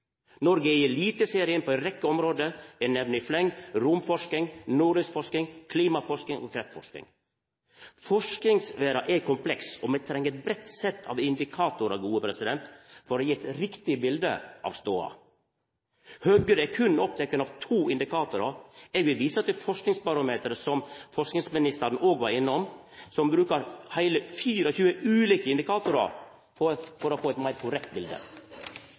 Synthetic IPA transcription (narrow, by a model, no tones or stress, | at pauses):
nɔɾɡəjiːliːt̪əseːɾɪənpʰɔɛt̪ɾɛkːəɔmɾoːd̪əɛnɛʋnɪflɛŋɾʊmfɔʂkɪŋnuːɾɪsfɔʂkɪŋkʰliːmɑfɔʂkɪŋɔ̰kʰɾɛft̪fɔ̰ʂknɪ̰ŋ | fɔʂknɪŋsʋeːɾɑʔɛkʰʊmpʰlɛksɔmɛt̪ʰɾɛŋːəɾɛt̪̚bɾɛt̪sɛt̪ʰːɑ̰ʋɪnd̪ɪkʰɑːt̪ʊɾɑ̰ːʋɡuːəpʰɾɛsɪd̪ɛnt̪fɔɾɔjiːɛt̪ɾɪkt̪ɪbɪld̪ə̰ʔɑ̰ʋst̪oːɑ̰ | hœɡəɾɛkʰʉnɔp̚t̪ʰɛkːənɑʋt̪ʰuːɪnd̪ɪkʰɑːt̪ʊɾɑɛːɡʋɪlʋiːsət̪ʰɪfɔʂknɪŋsbɑɾɑmeːt̪əɾəsɔmfɔʂknɪŋsmɪnɪst̪əɾn̩ʔoːɡʋɑɾɪnːɔm | sɔmbɾʉːkəɾhæɪləfiːɾəçʉːəʔʉːliːkəɪnd̪ɪkʰɑːt̪ʊɾɑ̰ɾ | ɔfɔɾɔfoːɛt̪mæɪɾkʰʊɾɛk̚t̪̚bɪld̪ə̰